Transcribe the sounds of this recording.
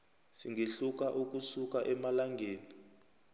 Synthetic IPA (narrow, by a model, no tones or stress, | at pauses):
siŋɡʱeɬuk̬aʔuk̬ʼusuk̬aʔɛmalaŋɡʱeːni